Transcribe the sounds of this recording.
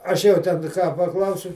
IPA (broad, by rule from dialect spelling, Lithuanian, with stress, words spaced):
ˈɐʃ jɛʊ ˈtʲɛn kɑː pɐˈklˠɐʊsʲʊ